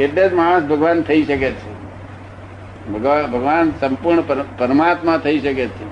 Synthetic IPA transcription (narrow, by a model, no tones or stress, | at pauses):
eʈled͡ʒmaɭ̃õsbʱəɡʋant̪ʰəiʃəket͡ʃʰe | bʱəɡʋabʱəɡʋansəmpuɾɳəpəɾpəɾəmat̪mãt̪ʰəiʃəket͡ʃʰe